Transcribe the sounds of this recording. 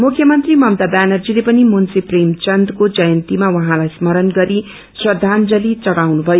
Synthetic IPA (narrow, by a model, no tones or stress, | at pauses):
mukʰjʌmʌnt̪rimʌmd̪abanʌrd͡zilepʌnimunsipremt͡sʌnd̪kod͡zʌjʌnt̪imawʌɦãlajsmʌɾʌnɡʌɾi | swʌd̪ʱand͡zʌlit͡sʌɽawnubʱʌjo